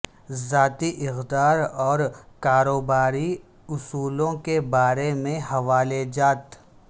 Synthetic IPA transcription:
zaːt̪iʔɪxd̪aːɾɔːɾkaːɾoːbaːɾi | ʊsuːlõkebaːɾemẽɦɐʋaːled͡ʒaːt̪

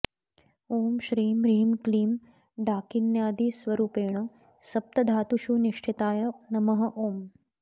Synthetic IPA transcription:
oːmʃɾiːmɾiːmkliːm | ɖaːkinjaːd̪iːsʋɐɾuːpeːɽ̃ə | sɐp̚t̪ɐd̪ʱaːt̪uʃuːniʂʈʰit̪aːjɐnɐmɐɦɐ̆ʔoːm

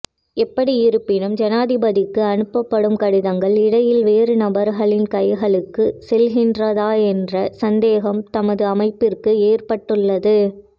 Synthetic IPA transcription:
ɛpːɐɽiɪɾɯpːɪnɯmd͡ʒɐnaːðɪbɐðɪkːɯɐnɯpːɐpːɐɽɯmkɐɽɪðɐŋɡɐɭɪɽɐjɪlʋeːɾɯnɐbɐɾɣɐɭɪnkɐjɣɐɭɯkːɯsɛlɣɪndrɐðaːɛndrɐsɐnd̪eːɣɐmt̪ɐmɐðɯɐmɐɪpːɪrkɯeːrpɐʈːɯɭːɐðɯ

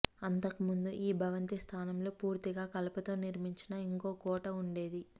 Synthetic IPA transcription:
ɐnt̪ɐkumund̪uʔiːbʱɐʋɐnt̪ist̪ʰaːnɐmlo̞ːpuːɾt̪iɡaːkɐlɐpɐt̪o̞ːniɾmiɲt͡ʃinɐiŋko̞ːkɔːʈɐuɳɖe̞ːd̪i

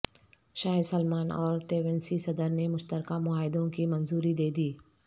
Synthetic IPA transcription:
ʃaːɦɪsəlmaːnɔːɾt̪eːʋeːnsisɐd̪əɾnemʊʃt̪əɾkamʊaːɦɪd̪õkimɐnzuːɾid̪eːd̪iː

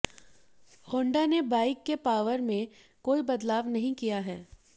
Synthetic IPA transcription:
hoːɳɖanebaːɪkːepaːʋəɾmẽ | koːibɐd̪laːʋnɐɦĩkijaɦɛː

